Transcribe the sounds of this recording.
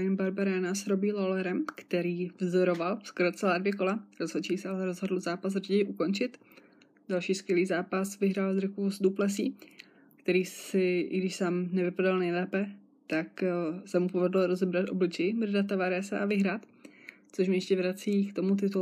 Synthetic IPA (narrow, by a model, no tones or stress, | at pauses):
jɪnbaɾbaɾɛːnasɾobiːlolɛɾɛmkt̪ɛɾiːvzoɾo̞valskɾot͡sɛlaːdvjɛko̞laɾozɦot͡ʃɛjsɛalɛɾozɦodl̩zaːpas̬rɟɛjʔuko̞nt͡ʃɪt̪ | dalʃiːskvjɛliːzaːpasvɪɦɾaːlzɾɪkuosd̪uplɛs̬ḭː | kt̪ɛɾiːssɪɪ̰ɡdɪʃsamnɛvɪpadalnɛjlɛːpɛ | t̪aksɛmupo̞vɛdl̩oɾo̞zɛbɾat̪ʔo̞blɪt͡ʃɛjɪmrdat̪ːavaɾɛsɛʔavɪɦɾaːt̪ | t͡soʃ̬mɪjɛʃcɛvɾat͡siːkt̪o̞mut̪̬ɪt̪u